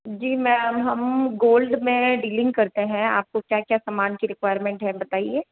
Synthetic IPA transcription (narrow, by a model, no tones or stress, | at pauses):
d͡ʒiːmɛ̃ːɦɐmɡoːlɖmẽɖiːlɪ̃ŋɡkɐɾt̪eɦɛ̃a̰ːp̚kokjaːkjaːsɐmaːnkiɾɪkwaːɪəɾmẽɳʈɦɛ̃bɐt̪aːieː